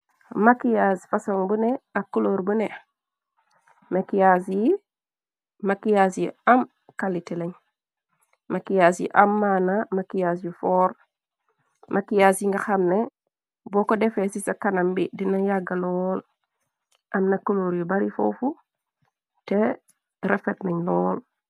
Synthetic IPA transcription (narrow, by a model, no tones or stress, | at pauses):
makijasfasoŋbuneakːuloɾbune | makijas | makijasjiam | kaliteleɲ | mʔakijasjḭʔamːanamakijas̬jufɔːɾ | mʔakijasiŋɡaxamne | bɔkodɛfesisakanambidinajaɡalɔl | ʔamnakːuloɾjubaɾifo̰fu | te | ɾefetnaɲlɔːl